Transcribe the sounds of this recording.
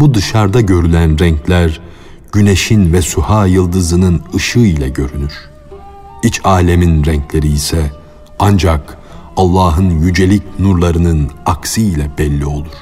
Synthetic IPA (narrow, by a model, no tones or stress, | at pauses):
bud̪ɯʃaɾd̪aɟø̞ɾylʲænɾɛɲclʲæɾ | ɟ̥yneʃinvɛsuhaːjɯlˠd̪ɯzɯnɯnɯʃɯilʲɛɟø̞ɾynyɾ̥ | it͡ʃʰaːlʲeminɾɛɲclʲe̞ɾiːsɛ | and͡ʒak | alˠːaːɦɯnjyd͡ʒe̞lʲicnuɾlˠaɾɯnɯnaksɯilʲɛbɛlʲːio̞lˠuɾ̥